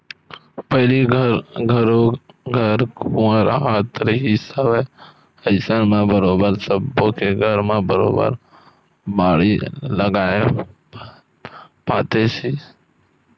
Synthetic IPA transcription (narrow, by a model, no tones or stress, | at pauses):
pəɦɪliɡɾɡʱəɾoɡʱəɾkuə̃ɾɦaːt̪ɾəɦisəʋe | əɪsənmẽbəɾoːbəɾsəbõkeɡʱəɾmẽbəɾo̰ːbə̰ɾ | baːɭiləɡaːe | paːt̪esi